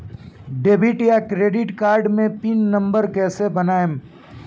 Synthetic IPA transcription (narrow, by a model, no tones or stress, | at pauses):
ɖeːbɪʈjakɾeːɖɪʈkaːɾɖmẽpinːɐ̃mbəɾkɛːsebɐnaːem